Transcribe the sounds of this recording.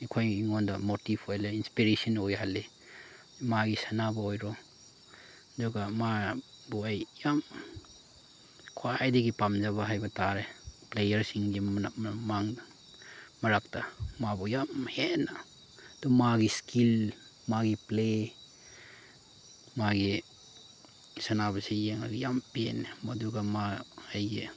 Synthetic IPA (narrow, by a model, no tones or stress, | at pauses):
ikʰojŋɔndɐmotipʰojleinspiɾesɔnojhalːe | maɡisanabɐojɾɔ | dɔɡama | buajjam | kʰwajdeɡipamzaβaɦajbɐtaɾeplejɐɾsiŋɡimaŋd | mɐɾak̚tamabɔjamhena | dɔmaɡiskʰil | maɡiple | maɡi | sanabasejeŋaɡijampenemaduɡamaaje